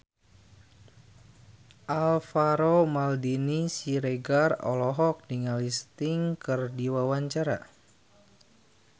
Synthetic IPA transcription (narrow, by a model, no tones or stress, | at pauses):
ʔalfaɾomaldinisiɾeɡarɔ̰lɔɦɔk̚diŋalist̪iŋkɨrdiwawaɲt͡ʃaɾa̰